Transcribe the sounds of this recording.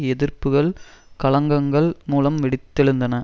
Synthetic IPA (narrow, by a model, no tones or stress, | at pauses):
ɛðɪrpɯɣɐɭkɐɭɐŋɡɐŋɡɐɭmuːlɐmʋɪɽɪt̪ːɛɻɯnd̪ɐnɐ